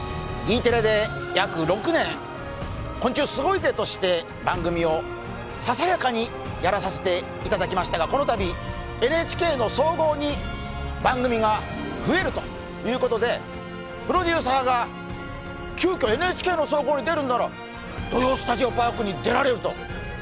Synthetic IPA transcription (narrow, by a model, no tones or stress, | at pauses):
ɡʲiːt̪e̞ɾed̪e̞jakɯ̟ɾo̞kɯ̟nẽ̞ŋ | kõɲt͡ɕɨːsɨɡo̞ize̞t̪o̞ɕi̥t̪e̞ | bãŋɡɯ̟mʲio̞ | sasajakaɲ̟i | jaɾasase̞t̪e̞ | it̪ad̪akʲimaɕi̥t̪aɡako̞no̞t̪abʲi | e̞nɯ̟et͡ɕi̥ke̞ːno̞so̞ːɡo̞ːɲ̟i | bãŋɡɯ̟mʲiɡa | ɸɯ̟e̞ɾɯ̟t̪o̞̥ | jɯ̟ːko̞t̪o̞d̪e̞ | pɯ̟ɾo̞d̪ʲɨːsaːɡa | kʲɨːkʲo̞e̞nɯet͡ɕi̥kʲe̞ːno̞so̞ːɡo̞ːɲ̟id̪e̞ɾɯ̟̃nd̪aɾo | d̪ojoːsɨ̥t̪aʑio̞paːkɯ̟ɲ̟id̪e̞ɾaɾe̞ɾɯ̟t̪o̞̰